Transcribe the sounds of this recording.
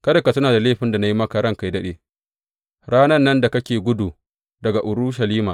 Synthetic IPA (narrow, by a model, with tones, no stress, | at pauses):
kɐ˦dɐ˨ka˨tʊ˦naː˨da˨leː˦ɸɪ˦nda˨na˦ji˦mɐ˦kɐ˨ɾɐ˦ŋka˦jdɐ˦ɗeː˦ | ɽaː˦nɐ˦rːɐ˦nda˨kɐ˦kʲeː˨ɡʷʊ˦du˨ | dɐ˨ɡa˨ʔʊ˨ɾʊ˦ʃɐ˨liː˦maː˨